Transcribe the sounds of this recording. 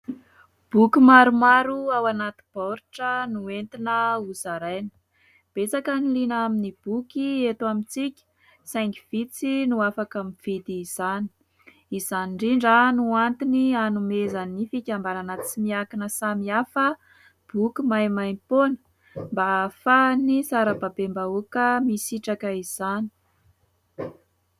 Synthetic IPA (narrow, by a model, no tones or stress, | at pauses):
b̥ukumaɾumaɾuawanat̪i̥b̥oɾiʈ͡ʂənuent̪inəuzaɾajnə̥ | b̥et͡sakənilinaminib̥ukiet̪wamint͡sikʲə̥ | sajŋɡi̥v̥it͡sinuafakamiv̥id̪iːz̥ani̥ | izaniɳɖ͡ʐiɳɖ͡ʐanuant̪inianumezanifikʲambaɾanət͡simiakinəsamiafə | b̥ukumajmajmponə̥ | mbafanisaɾəbabembaukəmisiʈ͡ʂakəiz̥ani̥